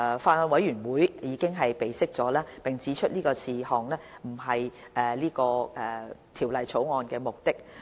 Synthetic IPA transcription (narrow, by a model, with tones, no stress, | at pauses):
faː˧nɔː˧nwɐ˨˥jɥyː˨˩nwuː˨˥jjiː˨˧kɪ˥ŋɦɐ˨jpe˨jsɪ˥k̚t͡sɔː˨˥laː˥pɪ˨˩ŋt͡sʰiː˨˥t͡ʃʰɵ˥t̚liː˥kɔː˧siː˨hɔː˨ŋlɛː˥m̩˨˩ɦɐ˨jʔɛː˨˧liː˥kɔː˧ʔɛ˨˩t̪ʰiː˨˩wlɐ˨jt͡sʰo˨˥wŋɔː˧nkɛː˧mʊ˨k̚t̪ɪ˥k̚